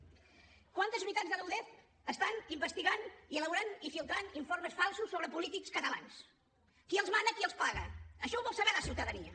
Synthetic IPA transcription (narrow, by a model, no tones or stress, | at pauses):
kwant̪əzmɾit̪anzðələwðɛθ | əst̪animbəst̪iɣaniələβuɾanifilˠt̪ɾaniɱfoɾməsfalˠsusːoβɾəpulit̪ikskət̪əla̰ns | kiəlˠzmand̪əkiəlˠspaɣəəʃɔβɔlˠsəβɛɾðəsiwt̪əðəniə̰